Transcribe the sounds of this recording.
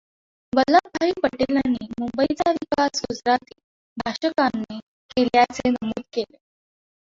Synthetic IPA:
ʋəlːək̚bʱaiːpəʈelañːiːmumbəit͡saʋikasud͡zɾat̪iː | bʱaɕəkanːiː | keljat͡senəmuːd̪̚kele

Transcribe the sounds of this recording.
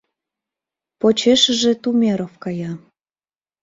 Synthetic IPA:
pot͡ɕeʃə̆ʒĕt̪umʲeɾofkɑjɑ

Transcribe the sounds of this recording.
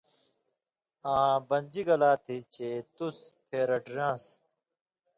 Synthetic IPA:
ãːbɐnʲd͡ʑiɡɐlaːt̪ʰit͡ɕet̪uspʰeːɾɐɖɾãːs

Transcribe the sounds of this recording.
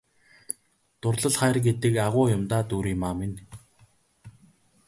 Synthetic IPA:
t̪ʊrɮə̆ɮχæːrɡet̪ɘ̆kaʁʊːjʊmt̪aːt̪uːɾiːmaːmen

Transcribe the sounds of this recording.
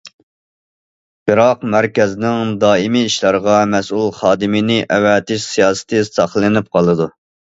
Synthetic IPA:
b̥ɨɾɑqmæɾkʲɛznɪŋd̪ɑːimiːʃlɑɾəʁɑmɛsulˠχɑːd̪ɨmɪnɪʔɛwɛt̪ɪʃsijɑːsɨ̥t̪ʰɨsɑχlˠɨnɪp̚qʰɑlˠɨd̪u

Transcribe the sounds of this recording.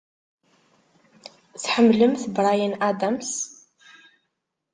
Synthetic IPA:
sħəmːlɨmθbɾˤajənʔad̪ams

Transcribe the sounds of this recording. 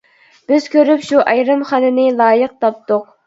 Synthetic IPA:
b̥ɪz̥kʲʰøɾypʃuʔɑjɾɨmχɑnɨnɨlˠɑːjəq̚t̪ʰɑp̚t̪ʊq̚

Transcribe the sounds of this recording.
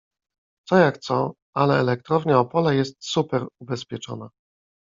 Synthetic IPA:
t̪sɔjakt̪sɔ | alɛːlɛk̚t̪ɾɔvɲaɔpɔlɛjɛst̪supɛɾubɛspʲjɛt͡ʂɔ̰na

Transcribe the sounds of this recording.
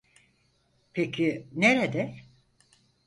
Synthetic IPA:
pʰecʰineɾed̪ɛ

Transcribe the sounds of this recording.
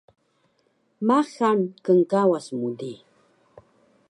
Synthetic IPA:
maxamkəŋkawasmʊd̪i

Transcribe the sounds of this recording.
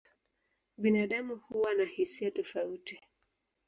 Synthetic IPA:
ɓinaɗamuhuwanahisiatɔfauti

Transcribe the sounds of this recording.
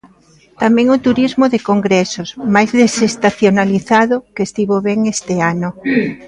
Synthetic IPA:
t̪amɛ̃ŋʊt̪uɾizmʊðɪkoŋɡɾɛsosmajzðesest̪aθjonaliθaðʊkest̪iβoβeŋest̪ɪanʊ

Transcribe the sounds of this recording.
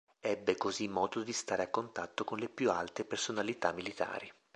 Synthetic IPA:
ɛbːekozimːɔːd̪od̪ist̪aːɾeakːont̪at̪ːokonlepjualt̪epersonalit̪amːilit̪a̰ːɾi

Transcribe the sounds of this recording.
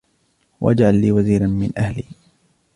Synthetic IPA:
wʔa̰d͡ʒʕalːiːwaziːɾanmɪnʔahliː

